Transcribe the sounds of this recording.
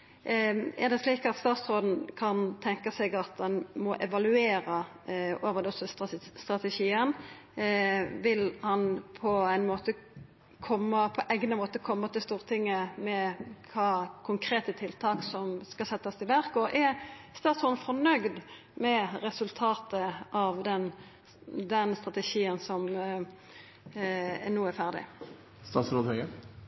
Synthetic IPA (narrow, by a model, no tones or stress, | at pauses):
ɛɾd̪ɛsliːkɑt̪st̪ɑːt̪sɾoːd̪n̩kʰɑnt̪ʰɛŋkəsɛɡɑt̪̚d̪ɛnmɔʔɛʋɑlʉeːɾə | oːʋəd̪ɛɔsɔst̪ʁɑt̪ɛʃiːən | ʋɪlhɑnpʰɔæɪnmoːt̪ə | kʰɔmːəpʰɔʔæɪɡnəmoːt̪əkʰɔmːət̪ɪlst̪uːʁt̪ʰɪŋːəmɛkʰɑːkʰʊŋkʰɾeːt̪ət̪ʰɪlt̪ʰɑːksɔmskɑlsɛt̪ːəst̪ɪlʋæɾkɔʔæst̪ɑːt̪sɔnfɔʁnœɡd̪ | mɛɾɛsʉlt̪ʰɑːt̪əʔɑʋd̪ɛn | d̪ɛnst̪ʁɑt̪əʃiːənsɔm | ɛnuːæɾfæʁd̪ɪ̰ | st̪ɑːt̪sɾoːd̪hœɡə